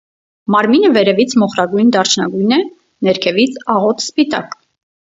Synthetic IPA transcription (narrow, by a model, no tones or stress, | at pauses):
mɑɾminəvɛɾɛvit͡sʰmɔχɾɑɡujnd̪ɑrt͡ʃʰnɑɡujnɛ | nɛɾkʰɛvit͡sʰɑʁɔt̪spit̪ɑk